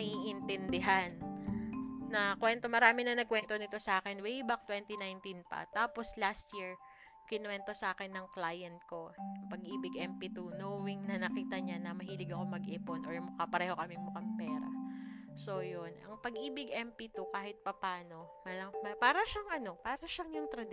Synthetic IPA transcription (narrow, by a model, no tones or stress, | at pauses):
ɐʔiʔɪnt̪ɛnd̪ɪɦan | ɐkwɛnt̪o̞mɐɾaːmɪnɐnɐɡ̚kwɛnt̪o̞nɪt̪o̞sɐʔaːkɛnwejbak̚t̪wɛnt̪inajnt̪inpɐ̰t̪aːpo̞slast̪jiɹ | kɪnwɛnt̪o̞sɐʔaːkɛnːɐŋklaːjɐnt̪̚ko̞ɐŋpɐɡʔiːbɪɡɛmpit̪unoːwɪŋnɐnɐkiːt̪ɐɲanɐmɐɦiːlɪɡɐkomɐɡʔɛponʔoɹmʊkapɐɾɛːho̞kɐmɪmʊkɐmpɛːɾɐ̰so̞jonʔɐ̰ŋpɐɡʔiːbɪɡʔɛmpit̪ukaːhɪt̪̚pɐpaːno̞mɐlɐŋmɐpaːɾɐʃaŋʔɐno̞paːɾɐʃaŋjʊŋt̪ɾɐd̪